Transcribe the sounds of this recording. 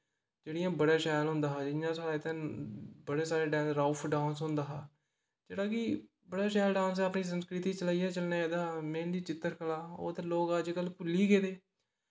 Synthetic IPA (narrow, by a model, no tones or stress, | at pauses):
d͡ʒeːɽijãːbəɽaːʃɛːlɦʊ̃nd̪aːɦaːd͡ʒɪjãːsaːɾaːt̪ẽːbəɽeːsaːɾeːɖɛ̃ːnsɾaːpʰɖãːnsɦʊnd̪aːɦaː | d͡ʒeːɽaːkɪ | bəɽaːʃɛːlɖãːns̬əpniːs̬ə̃mskɾɪt̪iːt͡ʃəlaːijaːt͡ʃəlnaːaːd̪aːmẽːnd̪iːt͡ʃɪt̪ːəɾkəlaːo̰ːt̪aloːɡaːd͡ʒkəlpʊlːiːɡeːd̪eː